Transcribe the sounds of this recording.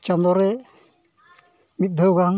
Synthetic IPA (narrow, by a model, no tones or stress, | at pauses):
t͡ʃand̪ɔɾɛ | mit̪̚d̪ʱəwɡaŋ